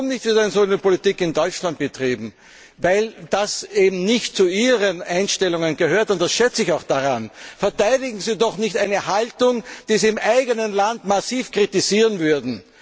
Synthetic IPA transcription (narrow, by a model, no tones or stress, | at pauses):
ʊmnɪçtviːdɛɪnsonəpolitikɪndɔʏt͡ʃlant̚b̥ətʁiːbm̩ | vaɪld̥aseːbm̩nɪçt̚t͡suiːʁənʔaɪnʃtɛlʊŋənɡəhøːɐtʊnt̚d̥asʃɛt͡sɪçaʊxd̥aʁanfɛɐtaɪdɪɡŋ̩ziːdɔχnɪçtæɪnəhaltʊŋd̥iːziːɪmʔaɪɡənənlandmasiːfkʁ̥itiziːʁənvʏɐdn̩